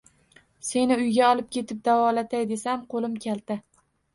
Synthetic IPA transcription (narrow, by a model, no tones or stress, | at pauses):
se̞nɪʊjɡʲaɒlˠɪp̚kʲʰe̞t̪ʰɪp̚d̪avɒlat̪ʰajd̪e̞samqʰolɪmkʲalˠd̪ɪ